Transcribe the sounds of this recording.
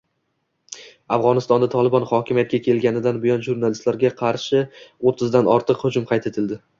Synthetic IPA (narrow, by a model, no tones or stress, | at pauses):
afʁɒnɪst̪ɒnd̪at̪ʰɒlˠɪbɒnχɒkʲɪmijat̪̚kʲakʲʰe̞lɡʲanɪd̪anbɪjɒnʒuɾnalɪst̪laɾɡʲaqʰɑɾʃɪot̪ʰːɪzd̪anɒɾt̪ʰɨqhʊd͡ʒʊmqʰɑjt̪ʰe̞t̪ʰɪld̪ɪ